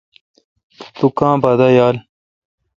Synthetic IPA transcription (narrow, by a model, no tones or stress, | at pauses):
t̪ukãːbɐd̪ɐjaːl